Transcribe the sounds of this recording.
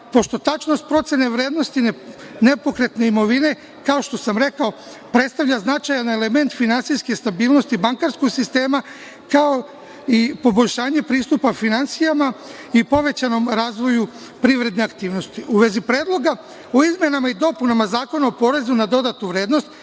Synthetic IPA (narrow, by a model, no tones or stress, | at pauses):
po̞ʃt̪o̞t̪at͡ʃnost̪̚pɾo̞t̪se̞ne̞ʋɾeːd̪no̞st̪i | ne̞po̞kɾe̞t̪ne̞imo̞ʋine̞ | kao̞ʃt̪o̞samɾe̞kao̞ | pɾet̪st̪aʋʎaznat͡ʃajane̞le̞me̞nt̪finansiske̞st̪abiːlˠno̞st̪ibaŋkaɾsko̞ɡsist̪e̞ːma | kao̞ | ipo̞bo̞ʎʲʃaːɲe̞pɾiːst̪upafinant̪sijama | ipo̞ʋe̞t͡ɕano̞mɾaːzʋo̞ju | pɾiʋɾe̞d̪ne̞akt̪iːʋno̞st̪iʔuʋe̞zipɾe̞ːd̪lˠo̞ɡa | oizmʲje̞namaid̪o̞punamazaːko̞naopo̞ɾe̞zunad̪o̞d̪at̪nuʋɾeːd̪nost̪